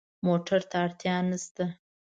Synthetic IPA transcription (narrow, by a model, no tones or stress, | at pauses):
moʈaɾt̪aːɽt̪jɑnəst̪a